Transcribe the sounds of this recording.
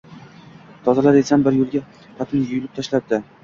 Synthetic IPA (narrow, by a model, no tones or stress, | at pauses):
t̪ʰɒzalaɾesanbɪɾjolˠɡʲa | pʰat̪ʰɪnjʊjʊlɪp̚t̪ʰaʃlad̚d̪̥ɪ